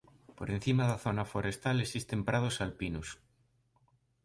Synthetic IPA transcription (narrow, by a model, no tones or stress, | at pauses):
po̰ɾẽn̟θimaðaθonafoɾe̞st̪alesist̪e̞mpɾað̞osalpinus